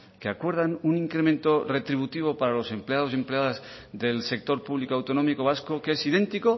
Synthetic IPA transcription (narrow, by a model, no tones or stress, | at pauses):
keakwe̞ɾð̞anuniŋkɾe̞mẽnt̪o̞re̞t̪ɾiβut̪iβ̞o̞paɾalo̞se̞mpleað̞os̬e̞mple̞aðaz | ðe̞lse̞k̚t̪o̞ɾpuβ̞likoawt̪o̞no̞mikoβ̞askokeesið̞ẽ̞nt̪iko